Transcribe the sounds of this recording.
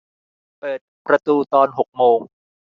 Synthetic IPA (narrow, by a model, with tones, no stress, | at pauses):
pɤː˨˩t̪̚pɾa˧t̪uː˧t̪ɔː˧nɦo˨˩k̚moː˧ŋ